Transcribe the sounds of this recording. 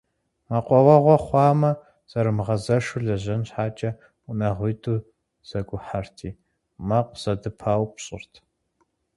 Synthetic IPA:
mɐqʷɔwɐʁʷɔχʷɑːmɐ | z̥ɐɾɨmʁɐzɐʂʊɮɐʑɐnɕħaːt͡ʃʼɐ | unɐʁʷʊjtʼuː | z̥ɐɡʷʼʊħartʰiː | mɐqʷz̥ɐdɨpʰaːwpɕʼɪ̰rtʰ

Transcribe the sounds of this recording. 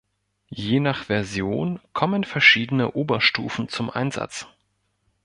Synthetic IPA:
jeːnaχv̥ɛɐzjoːnkʰɔmənfɛɐʃiːdənə̰ʔoːbɐʃtuːfn̩t͡sʊmʔa̰ɪnza̰t͡s

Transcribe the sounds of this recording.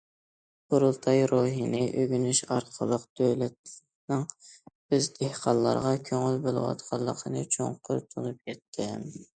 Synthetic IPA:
bʊɾulˠt̪ʰɑjɾoɦinɪʔøɡʲynyʃɑɾqʰəlˠəqd̪̥øwlɛt̪̚ | nɪŋbøzd̪ehqɑnlːˠɑ̰ɾʁɑkʲʰøŋylbolˠɨ̰wɑ̰t̪qʰɑlˠːəqʰənɨt͡ʃʰo̰ŋqʰʊɾt̪ʰunɨp̚kʲʰɛt̪ʰːɪ

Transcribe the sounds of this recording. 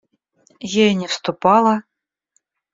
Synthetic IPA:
jejnʲefst̪upɑlˠɑ

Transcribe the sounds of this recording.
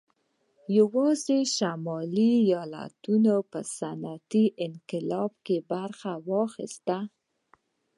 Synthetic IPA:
jawɑzeʃamɑlijɑla̰t̪unopəsanat̪iʔɪnqɪlɑbkebaɾxawɑxḭst̪a

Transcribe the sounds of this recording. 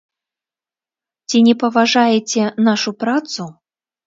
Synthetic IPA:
t͡sʲinʲɛpɐvaʐajet͡sʲɛnaʂupɾat̪su

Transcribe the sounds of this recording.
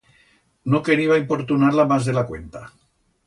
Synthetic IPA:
nokeɾiβaimpo̞ɾt̪unaɾlamazðelakwḛnt̪a

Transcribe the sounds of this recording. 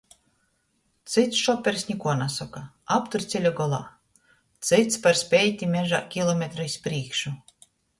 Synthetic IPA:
t̪sɨt̪sʃɔpʲeɾsʲnʲikuɔnasɔka | apt̪uɾt̪sʲilʲɔɡɔlˠa̰ː | t̪sɨt̪spaɾsʲpʲejt̪ʲimʲeʒakʲilˠɔmʲet̪ɾɨispɾiːkʃu

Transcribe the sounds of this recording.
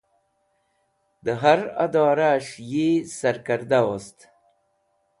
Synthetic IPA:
d̪əɦaɾa̰d̪ɑːɾaʂjesaɾkaɾd̪awost̪

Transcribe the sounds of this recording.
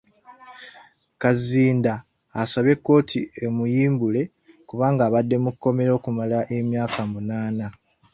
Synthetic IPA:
kaziːndaː | saβe̞kːo̞ːtʰiemujiːmbule̞ | kuβaːŋɡaːβadːe̞mukːo̞me̞ɾo̞ːkumalaʔe̞mjaːkʰamunaːna

